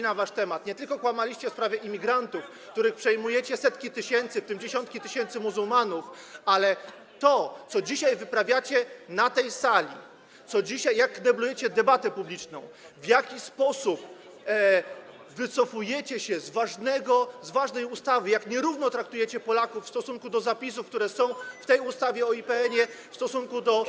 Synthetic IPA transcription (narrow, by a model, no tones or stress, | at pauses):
navaʂt̪ɛmat̪ɲɛt̪ɘlkɔkwamalʲiɕt͡ɕɛfspɾavʲjɛʔimʲiɡɾant̪ufkt̪uɾɘxpʂɛjmujɛt͡ɕɛsɛt̪kʲit̪ɘɕɛnt̪sɘft̪ɘmd͡ʑeɕɔnt̪̚kʲit̪ɘɕɛnt̪sɘmuzulmanufalɛ | t̪ɔt̪sɔd͡ʑiɕajvɘpɾavʲjat͡ɕɛnat̪ɛjsalʲḭ | t̪sɔd͡ʑiɕajːakːnɛblujɛt͡ɕɛd̪ɛbat̪ɛpublʲit͡ʂnɔ̰̃w̃ | vʲjakʲispɔsup | vɘt̪sɔfujɛt͡ɕɛɕɛzvaʐnɛɡɔzvaʐnɛjust̪avɘjakɲɛɾuvnɔt̪ɾak̚t̪ujɛt͡ɕɛpɔlakufːst̪ɔsuŋkud̪ɔzapʲis̬ufkt̪uɾɛsɔ̃w̃ft̪ɛjust̪avʲjɛɔipɛɛɲɛfst̪ɔsuŋkud̪ɔ